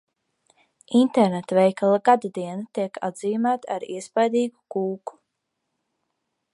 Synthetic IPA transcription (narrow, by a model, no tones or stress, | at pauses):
int̪eɾnet̪vɛjkalˠaɡad̪ad̪iɛnat̪iɛka̰d̪ziːmaːt̪aɾiɛspajd̪iːɡukuːku̥